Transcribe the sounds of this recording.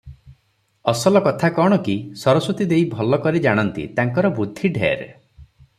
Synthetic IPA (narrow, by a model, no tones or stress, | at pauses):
ɔsɔlɔkɔt̪ʰakɔɽ̃ɔkisɔɾɔsut̪id̪ejbʱɔlɔkɔɾid͡ʒaɽ̃ɔnt̪ḭt̪aŋkɔɾɔbud̪ʱːiɖʱḛɾ